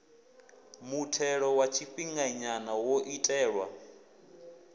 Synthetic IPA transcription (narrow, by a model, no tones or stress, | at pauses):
mutʰɛɺɔwat͡ʃʰiɸiŋɡaɲanawoʔitʼɛːɺwa